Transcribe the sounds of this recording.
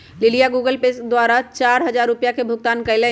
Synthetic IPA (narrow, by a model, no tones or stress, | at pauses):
lɪlijaɡuːɡəlpesd̪waːɾat͡ʃaːɾɦɐzaːɾːʊpijakebʱʊk̚t̪aːnkɐɪle